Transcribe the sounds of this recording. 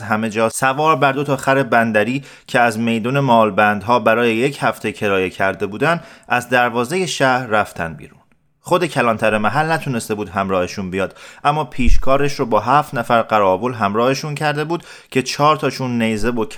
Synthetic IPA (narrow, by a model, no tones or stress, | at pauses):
ɦæme̞d͡ʒɒːsævɒːɾbæɾd̪o̞t̪ʰɒːxæɾe̞bænd̪æɾiː | cʰeæzme̞jd̪uːne̞mɒːlbænd̪ɦɒːbæɾɒːje̞je̞chæft̪ʰecʰe̞ɾɒːje̞cʰæɾd̪e̞buːd̪ænd̪ʔæzd̪æɾvɒːze̞je̞ʃæhɾːæft̪ʰæ̰nbḭːɾun | χo̞d̪e̞cʰælɒːnt̪ʰæɾemæɦælnæt̪ʰune̞st̪e̞buːd̪ɦæmɾɒːheʃunbijɒːd̪̥ʔæmːɒːpʰiːʃkʰɒːɾeʃɾobɒːɦæːft̪næfæɾɢæɾɒːbolɦæmɾɒːhe̞ʃuncʰæɾd̪e̞buːd̪̥ | cʰe̞t͡ʃʰɒːɾt̪ʰɒːʃunːe̞jze̞bokʰ